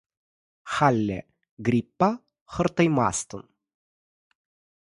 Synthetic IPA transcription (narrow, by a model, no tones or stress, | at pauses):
xalʲːɛ̰ | ɡɾʲipːa | xərt̪ɐjma̰st̪ən